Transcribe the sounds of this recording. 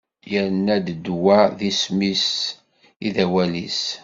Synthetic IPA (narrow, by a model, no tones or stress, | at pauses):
jəɾnːæd̪d̪wæðismis | iðæwælis